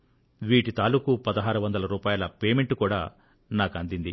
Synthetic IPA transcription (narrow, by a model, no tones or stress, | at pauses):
ʋiːʈit̪aːluːkupɐd̪ɐɦaːɾuʋɐnd̪ɐlɐɾuːpaːjɐlɐpeːmeɳʈukuːɽaː | naːkɐnd̪ind̪i